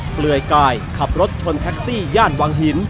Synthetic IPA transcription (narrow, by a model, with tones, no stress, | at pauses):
plɯ˨˩əjklaː˧jkʰa˨˩p̚ɾo˦˥t̪̚t͡ɕʰo˧nt̪ʰɛː˦˥k̚siː˥˩jaː˥˩n̚waː˧ŋɦi˩˦n